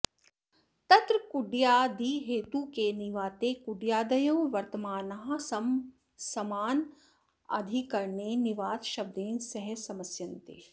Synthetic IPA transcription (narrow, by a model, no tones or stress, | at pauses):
t̪ɐt̪ɾɐkuɖjaːd̪iɦeːt̪ukeːniʋaːt̪eːkuɖjaːd̪ɐjoːʋɐɾt̪ɐmaːnɐɦɐ̆sɐm | sɐmaːn | ɐ̰d̪ʱikɐɾɳeːniʋaːd̪ʃɐb̚d̪eːnsɐɦɛsɐmɐsjɐnt̪ḛː